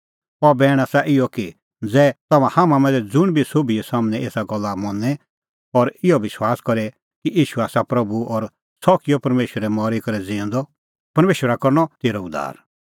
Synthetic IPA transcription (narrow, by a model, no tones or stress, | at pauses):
ɔbɛːɽ̃asaʔɪjɔki | d͡zɛːt̪ɐmãhamãmɛ̃ːnd͡zɛd͡zʊɽ̃bʱisoːbiɛsaːmɽ̃ɛ̃ʔeːsaɡɔlːamɔnɛ | ɔɾɪɔʋɪswaːskɔɾɛ | kiʔiːʃuaːsapɾɐbuʔɔɾ | sɔkijɔpɐɾmeːʃwəɾɛmɔːɾikɐɾɛd͡zɪ̃ːnd̪ɔ | pɐɾmeːʃwəɾakɔɾñɔt̪eːɾɔʊd̪a̰ːɾ